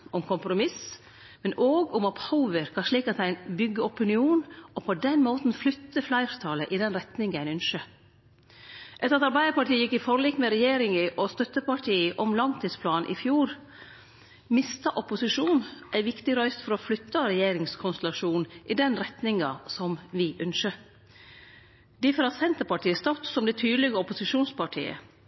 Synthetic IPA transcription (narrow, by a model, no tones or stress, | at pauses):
ʊmkʰʊmpɾʊmɪs | mɛnʔoːɡʊmɔphaʊʋəɾkʰɑnʂɭiːkɑt̪æɪnbʏɡːəɔpɪnɪuːnɔpʰɔd̪ɛnmoːt̪n̩flʏt̪ːəflæɪɾt̪ʰɑːləʔɪd̪ɛnɾɛt̪nɪŋæɪnʏnʃə | ʔɛt̪əɾɑt̪ɑɾbæɪd̪əɾpɑʈiːəjɪkːɪfɔɾliːkmɛɾɛjeːɾɪŋɪʔɔst̪œt̪ːəpɑʈʰiːəʔɔmlɑŋt̪ʰiːd̪spʰlɑːnʔɪ̰fjuːɾ | mɪst̪ɑʔɔpʊsɪʂuːnʔæɪʋɪkt̪ɪɾœʏst̪fɔɾɔflʏt̪ːəɾɛjeːɾɪŋskʰʊnst̪ɛlɑʂuːnʔɪd̪ɛnɾɛt̪nɪŋɑsɔmʋɪʔʉnʃə | d̪ɪfɔɾɑt̪sɛnt̪əɾpɑʈiːəst̪ɑt̪sɔmd̪ɛt̪ʰyːd̪lɪɡəɔpʊsɪʂuːnspʰɑʈʰḭːə̰